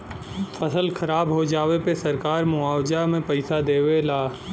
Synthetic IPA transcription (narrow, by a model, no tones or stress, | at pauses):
fʰɐsəlxʰɐɾaːbɦod͡ʒaːwepesɐɾkaːɾmʊaːwd͡ʒamẽpɐɪsad̪eːwelaː